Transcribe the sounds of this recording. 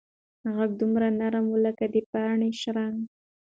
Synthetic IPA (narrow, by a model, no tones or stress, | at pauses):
aɣak̚d̪umɾanaɾamwəlakad̪epaɳeʃɾaŋ